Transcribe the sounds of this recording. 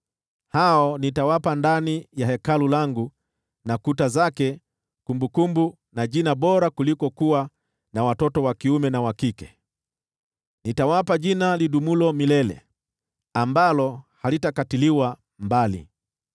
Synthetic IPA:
haɔnitawapandanijahɛkalulaŋɡu | nakutazakɛ | kumbukumbu | naʄinaɓɔɾakulikɔkuwa | nawatɔtɔwakiumɛnawakikɛ̥ | nitawapaʄinaliɗumulɔmilɛlɛ̰ | ambalɔhalitakatiliwa | mbalḭ

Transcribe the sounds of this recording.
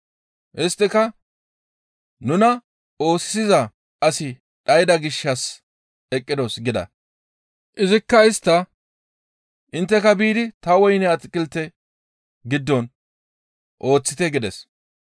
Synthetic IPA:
ʔɪst̪ːɪkɐ | nʊnɐ | o̞ːssɪzɐ | ɐsɪ | ᶑɐjɪd̪ɐɡɪʃːɐs | ɛkʼːɪd̪ɔsɡɪd̪ɐ̰ | ʔɪzɪkːɐɪst̪ːɐ | ʔɪnt̪ːɛkɐbiːd̪ɪt̪ɐwɔjnɛɐt͡sʼɪkʼːɪlt̪ɛ | ɡɪd̪ːɔn | ʔo̞ːt͡sːɪt̪ɛɡɪd̪ɛs

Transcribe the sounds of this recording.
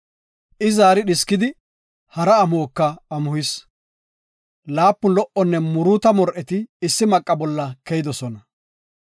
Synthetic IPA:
ʔɪzaːɾɪɗɪskːɪd̪ɪ | hɐɾɐːmoːkːɐːmʊhɪs | laːpːʊlɔʔɔnːɛmʊɾuːt̪ɐmɔɾʔɛt̪ɪːsːɪmɐkʼːɐbɔlːɐkɛjɪd̪ɔsɔnɐ

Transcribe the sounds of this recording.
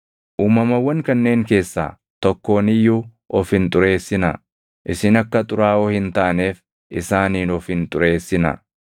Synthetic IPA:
ʔuːmɐmɐwːɐŋkɐnːe̞ːŋke̞ːsːa̰ː | t̪ɔkːo̞ːnɪjːuː | ʔɔfɪnt̪ʼʊɾe̞ːsːɪnɐ̰ | ʔɪsɪnɐkːɐt̪ʼʊɾaːoːhɪnt̪aːne̞ːf | ʔɪsaːniːnɔfɪnt̪ʼʊɾe̞ːsːɪnɐ̰

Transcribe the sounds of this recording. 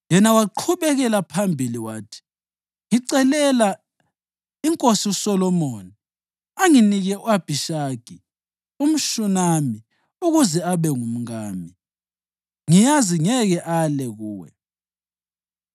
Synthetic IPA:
jɛnawaǃʰuβɛɣɛlapʰambʱiliwaːtʰi̥ | ŋiǀɛlɛla | iŋkʼosiusɔlɔmɔːni | aŋiniɣɛuab̥ʱiʃaɡ̥ʱi | um̩ʃunami | uɣuzɛaβɛŋum̩ŋaːmi | ŋijaziŋɛɣɛʔalɛɣuːwɛ̰

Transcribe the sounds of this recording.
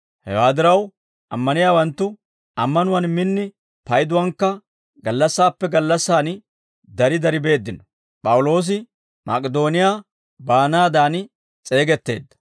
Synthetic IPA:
hɛ̰waːd̪ɪɾɐw | ʔɐmːɐnɪjaːwɐnt̪ːʊ | ɐmːɐnʊwɐnmɪnːɪ | pɐjd̪ʊwɐŋkːɐ | ɡɐlːɐsːaːpːɛɡɐlːɐsːaːn | d̪ɐɾɪd̪ɐɾɪbe̞ːd̪ːɪnɔ | pʼɐwʊlo̞ːs̬ɪ | mɐ̰kʼɛd̪o̞ːnɪjaː | baːnaːd̪aːn | t͡sʼe̞ːɡɛt̪ːe̞̰ːd̪ːɐ̥

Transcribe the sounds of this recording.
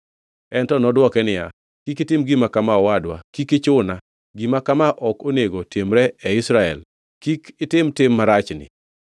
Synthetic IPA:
ɛntɔnɔdwɔkɛnɪja̰ | kikɪtɪmɡimakamaɔwadwa̰kikɪt͡ʃʊna | ɡimakamaʔɔkoneɡotʰemɾɛɛɪsɾaɛ̰l | kikɪtɪmtɪmːaɾat͡ʃnɪ̰

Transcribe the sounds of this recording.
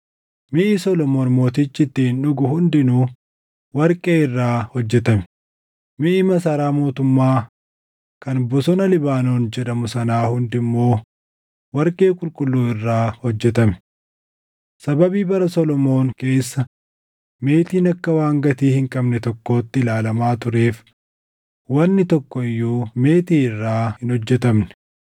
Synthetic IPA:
mɪʔɪsɔlɔmo̞ːnmo̞ːt̪ɪt͡ʃːɪt̪ːɪnʊɡʊhʊnd̪ɪnuː | wɐɾkʼeːɪrːaːhɔd͡ʒːɛt̪ɐmɛ̥ | mɪʔɪmɐsɐɾaːmo̞ːt̪ʊmːaː | kɐnbɔsɔnɐlɪbaːnoːnd͡ʒɛᶑɐmʊsɐnaːhʊnd̪ɪmːo̞ː | wɐɾkʼe̞ːkʼʊlkʼʊlːuːɪrːaːhɔd͡ʒːɛt̪ɐmɛ̥ | sɐbɐbiːbɐɾɐsɔlɔmo̞ːŋke̞ːsːɐ | me̞ːt̪iːnɐkːɐwaːŋɡɐt̪iːhɪŋkʼɐbnɛt̪ɔkːo̞ːt̪ːɪlaːlɐmaːt̪ʊɾe̞ːf | wɐnːɪt̪ɔkːɔɪjːuːme̞ːt̪iːɪrːaːhɪnhɔd͡ʒːɛt̪ɐmnɛ̥

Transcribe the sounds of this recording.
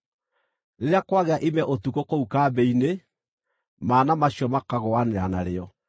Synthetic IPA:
ɾeɾeakwaɣeaʔimɛʔotukokoukaːbɛine | maːnamaɕjɔmakaɣoaneɾanaɾeɔ

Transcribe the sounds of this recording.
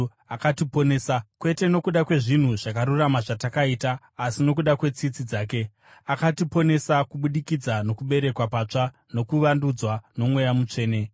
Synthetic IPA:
akatipo̞nesakwe̞te̞no̞kuɗakwe̞ʐin̤uʐakaɾuramaʐatakaitaː | sino̞kuɗakwe̞t͡sit͡sid͡zaːk̬e̞ | akatipo̞ne̞sakuɓuɗikid͡zano̞kuɓe̞ɾe̞kwapaːt͡ʂa | no̞kuʋandud͡zwano̞mwe̞jamut͡ʂe̞ːne̞

